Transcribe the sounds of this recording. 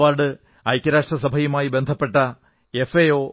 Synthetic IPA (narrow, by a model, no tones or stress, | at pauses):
aːɖɨ | ɐjkʲːɐɾaːʂʈrɐsɐbʱɐjumaːjibe̞nd̪ʱɐpːe̞ʈːɐ | e̞fejo̞ː